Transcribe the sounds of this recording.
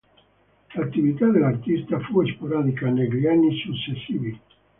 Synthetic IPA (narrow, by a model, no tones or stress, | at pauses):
lat̪ːivit̪ad̪elart̪ist̪afuespoɾaːd̪ikaneklianːisut͡ʃːesːiːvi